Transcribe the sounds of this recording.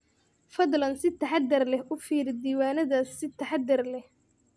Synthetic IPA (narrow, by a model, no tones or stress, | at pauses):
fɐðlɐnsɪt̪ʰɐħɑd̪ɐrlɛhʔʊfiːɾɪd̪iːwaːnɐðasːɪt̪ʰɐħɑd̪ɐrlɛh